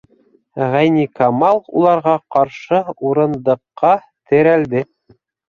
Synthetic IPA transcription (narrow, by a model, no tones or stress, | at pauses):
ʁæjnikɑmɑlˠṵlˠɑɾʁɑqɑɾʃɤuɾɤ̆nd̪ɤ̆qːɑ | t̪ɘ̆ɾæld̪ɘ